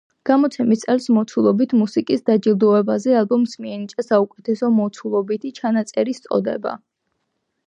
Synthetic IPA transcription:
ɡ̥amɔt̪sʰɛmit̪sʼɛlsmɔt̪sʰulˠɔbit̪ʰmusikʼisd̪ad͡ʒilˠd̪ɔɛbazɛalˠbɔmsmiɛnit͡ʃʼasaukʼɛt̪ʰɛsɔmɔt̪sʰulˠɔbit̪ʰit͡ʃʰanat̪sʼɛɾist̪sʼɔ̰d̪ɛ̰ba̰

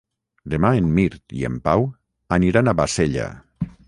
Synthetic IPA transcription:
d̪emaemmiɾt̪ḭḛmpaw | aniɾanaβaseʎa̰

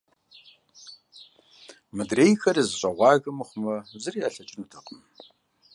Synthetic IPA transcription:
mɨdreːjxɐrizɨɕʼɐʁʷɑːɣɐmɨχʷʊmɐzɨrijaːɬɐt͡ʃʼɪnutʰɐqʼəm

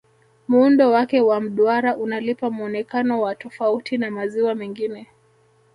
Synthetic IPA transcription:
muundɔwakɛwam̩ɗwaɾaʔunalipamuɔnɛkanɔwatɔfautinamaziwamɛŋɡinɛ

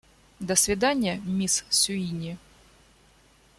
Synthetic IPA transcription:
d̪əsʲvʲɪd̪anʲɪjəmʲissʲʊinʲɪ

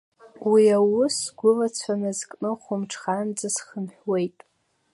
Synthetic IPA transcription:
wiawʊsɡʷʊlat͡sʷʰanɨzkʼnɨχʷʊmʈ͡ʂʰχand͡zasχəmħwe̞jtʼ

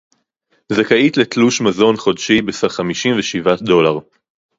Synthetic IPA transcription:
zakait̪let̪luʃmazo̞nχo̞dʃibesaχamiʃimveʃivad̪o̞laʁ

